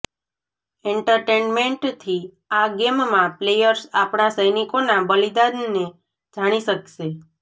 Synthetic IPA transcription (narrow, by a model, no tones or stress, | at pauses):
eɳʈəɾʈenmeɳʈt̪ʰi | aɡemmãplejəɾsapɳasəjnikonabəlid̪ad̪ne | d͡ʒaɽ̃iʃəkʃe